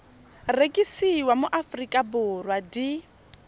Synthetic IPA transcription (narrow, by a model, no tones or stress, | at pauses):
rekʼisiwamʊʔafrikʼabʊrwadi